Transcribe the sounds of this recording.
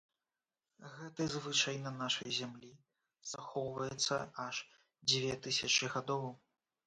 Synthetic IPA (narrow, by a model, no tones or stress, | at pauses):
ɣɛt̪ɨzvɨt͡ʂɐjnɐnaʂɐjzʲamlʲi | z̥axɔwvɐjɛt̪sːɐ̰ʔaʂ | d͡zʲvʲɛt̪ɨsʲɐt͡ʂɨɣad̪ɔw